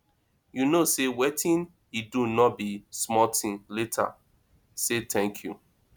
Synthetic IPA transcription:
junosewetʰĩn | idunɔt̚bismɔtĩnletʰa̰ | setɛ̃ŋkʰjṵ

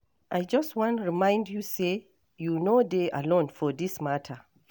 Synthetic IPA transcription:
ʔajd͡ʒʌstwɔ̃ntɹimãj̃ndjuse | junodeʔa̰lɔ̃nfɔdismatʰə

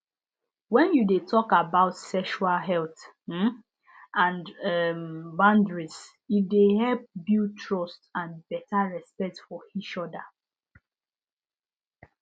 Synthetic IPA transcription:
wɛ̃njudetʰɔkabaʊtsɛkʃualɦɛlθ̩ | ãnɛmbãndɹis | jidehɛlp̚bjutʰɹɔstãnbɛtaɹɛspɛk̚tfɔit͡ʃɔda

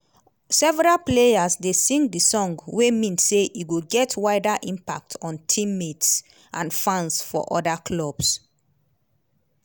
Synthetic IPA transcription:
sɛvɛɹalplejasdesĩŋɡ̚disɔ̃ŋɡwemĩnseʔiɡoɡɛtʰwaɪdaʔĩmpa̰k̚tʰɔ̃ntʰĩmːets | ʔãnfãnsfɔ̰ʔɔ̰dakʰlɔb̥s

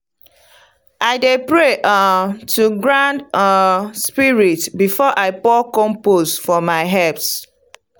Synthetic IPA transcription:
ʔaɪdepɹeʔtʰuɡɹãnd | spiɹitbifɔʔaɪpɔkɔ̃mposfɔmaɪɦɛps

